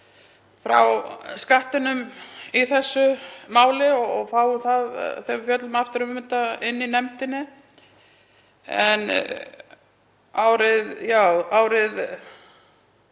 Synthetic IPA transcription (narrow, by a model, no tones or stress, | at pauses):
fɾa̰wskaht̪ɪnʏmiθɛsːʏmaːwlɪɔɔɣfaːwʏmθað̰θɛmfjœt̪lʏmaft̪ɪɾʏmmɪnt̪aɪnːinɛmt̪ɪnːɪ | ɛ̰n | aːwɾɪðjaːwaːwɾɪð